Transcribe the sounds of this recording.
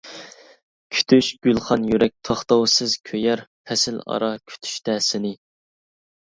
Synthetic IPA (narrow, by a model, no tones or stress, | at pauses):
kʲʰy̥t̪ʰyʃɡ̥ʲylˠχɑnjyɾɛk̚ʲt̪ʰɑχt̪ɑwsɨzkʲʰøjɛɾpʰɛsɪlɑ̰ɾɑkʲʰy̥t̪ʰy̥ʃt̪ɛsɪnɪ